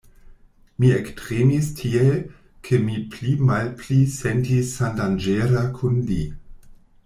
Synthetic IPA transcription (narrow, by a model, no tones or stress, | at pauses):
miektʁemistʰie | kʰemiplimalpʰlisentisːandand͡ʒeɾakʰunlḭ